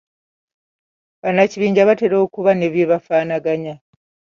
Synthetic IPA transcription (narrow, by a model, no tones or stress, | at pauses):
βanaciβiːɲɟaβate̞ɾo̞ːkuβane̞βje̞ːβafaːnaɡaɲa